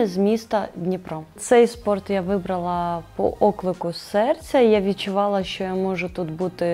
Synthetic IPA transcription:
ɪzʲmʲist̪ɐd̪ʲnʲipɾɔt̪sɛjspɔrt̪jaʋɪbɾɐlˠɐpɔ̰ʔɔklˠɪkʊsɛrt͡sʲɐjaʋʲid̪̚t͡ʃʊʋɑlˠɐʃt͡ʃɔjamɔʒʊt̪ut̪but̪ɪ

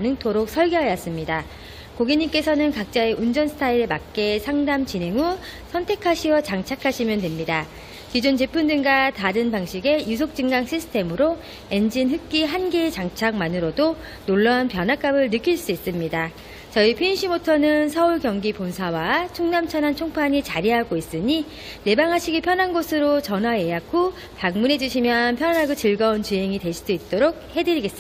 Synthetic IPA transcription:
nɯŋtʰoɾok̚s͈ʰʌɭɡeɦajas͈ɯmɲida | koɡiɲimk͈e̞sʰʌnɯnkak̚t͡ɕ͈aeʔund͡ʑʌnsʰɯ̥tʰaiɾemak̚k͈e̞sʰaŋdamt͡ɕinɦe̞ŋu | sʰʌntʰe̞kʰaɕʰiʌt͡ɕaŋt͡ɕʰakʰaɕʰimjʌndwemɲida | kid͡ʑont͡ɕepʰundɯnɡataɾɯnpaŋɕʰiɡe̞jusʰok̚t͡ɕ͈ɯŋɡaŋɕʰisʰɯ̥tʰe̞mɯɾo | e̞nd͡ʑinɦɯk̚k͈iɦanɡet͡ɕaŋt͡ɕʰaŋmanɯɾodo | noɭːʌanpjʌnɦak͈abɯɭnɯk͈iɭs͈uis͈ɯmɲida | t͡ɕʌipʰiinɕʰimotʰʌnɯnsʰʌuɭkjʌŋɡiponsʰawat͡ɕʰoŋnamt͡ɕʰʌnɦant͡ɕʰoŋpʰaɲit͡ɕaɾiɦaɡois͈ɯɲi | ne̞baŋɦaɕʰiɡipʰjʌnɦanɡosʰɯɾot͡ɕʌnɦwaje̞jakʰo | paŋmune̞d͡ʑuɕʰimjʌnpʰjʌnaɡot͡ɕɯɭɡʌunt͡ɕɯɦe̞ŋitwe̞ɕʰi̥d͈oit̚t͈oɾok̚he̞dɯɾiɡe̞s͈ɯa

